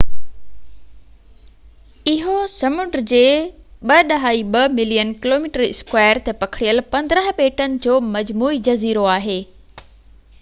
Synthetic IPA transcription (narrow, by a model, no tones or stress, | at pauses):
ɪɦosɐmʊɖd͡ʑeːɓɐɗɐɦaːiɓɐmɪlijənkɪloːmiːʈəɾɪ̰skwaːəɾt̪epɐkʰɪɽijəlpɐ̃nd̪ɾəɦ̆ɓeːʈənɪ̆d͡ʑoːmɐd͡ʑmuːid͡ʑɐziːɾoaːɦeː